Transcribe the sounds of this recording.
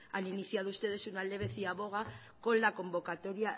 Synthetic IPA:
aniniθjaðust̪e̞ð̞e̞sunale̞β̞e̞θiaβo̞ɣ̞a | ko̞lako̞mbo̞kat̪o̞ɾia

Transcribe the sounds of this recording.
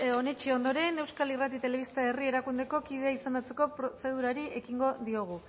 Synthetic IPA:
o̞ne̞t͡ʃio̞nd̪o̞ɾe̞ne̞wskalirat̪it̪e̞le̞βist̪aerie̞ɾakund̪e̞ko̞kiðeaisand̪at͡se̞ko̞pɾose̞ð̞uɾaɾiʔe̞kiŋɡo̞ðio̞ɣ̞u

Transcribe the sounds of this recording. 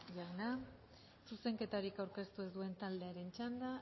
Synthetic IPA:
ʝaɣna | suse̞ŋke̞t̪aɾikawɾke̞st̪uezd̪ue̞nt̪ald̪e̞aɾe̞nt͡ʃand̪a

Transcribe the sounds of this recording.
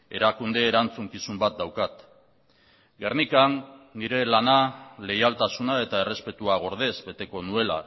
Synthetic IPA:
e̞ɾakund̪e̞ːɾant͡suŋkisumbat̪̚d̪awkat̪ | ɡe̞rnikanːiɾe̞lanale̞jalt̪asunae̞t̪ae̞re̞spe̞t̪uaɣ̞o̞ɾð̞e̞zbe̞t̪e̞ko̞nue̞la̰

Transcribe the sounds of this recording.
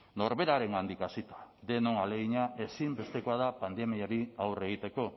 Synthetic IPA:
no̞ɾβe̞ɾaɾe̞ŋand̪ikasit̪ḁd̪e̞no̞ŋaleɣiɲaʔe̞simbe̞st̪e̞koaðapand̪e̞miaɾiawre̞ɣ̞it̪e̞ko̞

